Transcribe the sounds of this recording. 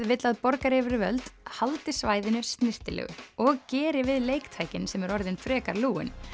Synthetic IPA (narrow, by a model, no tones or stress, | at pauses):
ðvɪt̪laðpɔɾkaɾɛvɪɾɪvœlt̪halt̪ɪsvaːjðɪnʏst̪nɪr̥t̪ɪlɛ̰ɣʏ̰ɔɣcɛːɾɪvɪðleːjkt̪ʰaːjcɪnsɛmɛɾɔɾðɪnfɾɛːkaɾluːɪ̰n